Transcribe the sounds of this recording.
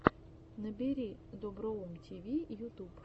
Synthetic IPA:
nɛbʲɪɾʲid̪ɔbɾɔʊmtʲiʋʲijut̪up

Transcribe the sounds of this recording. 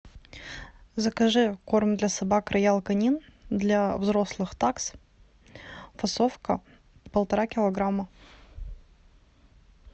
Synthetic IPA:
zəkɐʐɨkormd̪lʲɐsɐbakɾɐjalˠkɐnʲind̪lʲavzɾoslˠɨxt̪aks | fɐsofkə | pəlˠt̪ɐɾakʲɪlˠɐɡɾamːə

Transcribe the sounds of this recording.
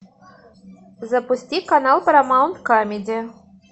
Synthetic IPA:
zɐpusʲtʲikanɑlˠpɐɾamawnt̪kamʲidʲe

